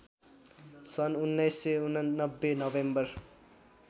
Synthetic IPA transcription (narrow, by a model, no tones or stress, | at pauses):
sʌnunːʌjsːeunʌʌbːenʌbembʌr